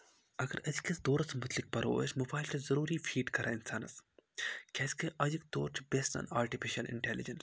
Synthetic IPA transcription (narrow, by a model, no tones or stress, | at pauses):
ɐɡəɾɐd͡ʒkɐsd̪oːɾɐsmʊt̪lik̚pɐɾo̰ːsmʊbaːɪltʰɐzɐɾuːɾiːfʰiːɖkɐɾʔaːɪnsaːnɐ̰s | kʰɛːskeʔɐd͡ʒik̚t̪oːɾt͡ʃʰbeːsʈa̰ːnaːɾʈifʰiʃɐlɪ̰ɳʈɛːlid͡ʒɐns